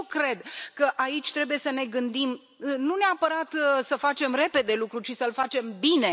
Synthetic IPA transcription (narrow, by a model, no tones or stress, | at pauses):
kɾe̞d̪kəʔait͡ʃʲt̪ɾe̞buje̞səne̞ɡɨnd̪im | nuneapəɾat̪səfat͡ʃe̞mre̞pe̞d̪e̞lukɾut͡ʃisəɨlfat͡ʃe̞mbine̞